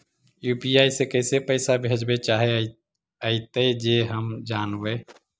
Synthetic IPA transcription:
juːpiaisekəɪsepəɪsabʱed͡ʒbet͡ʃaɦe | əɪt̪əd͡ʒeɦəmd͡ʒaːnbe

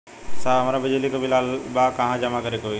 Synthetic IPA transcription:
saːɐmaɾabɪd͡ʒelikobʱilaːlbakɐɦãd͡ʒɐmakəɾekoi

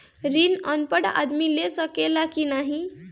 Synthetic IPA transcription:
ɾinənpəɽa̰d̪milesəkelakinaɦi

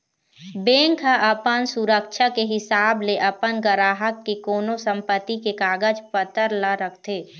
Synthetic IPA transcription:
bẽːŋkɦaʔɐpənsuɾəkʃʰakeɦɪsaːbleʔɐpənɡəɾaːɦəkːekoːnosə̃mpət̪ːikekaːɡəd͡ʒpət̪əɾlaɾəkʰt̪ʰeː

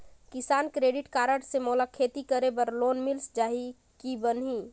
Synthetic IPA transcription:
kɪsaːnkɾeːɖɪʈkaːɾəʈsemoːlakʰeːt̪ikəɾebəɾloːnmilsd͡ʒaːɦi | kibənɦi

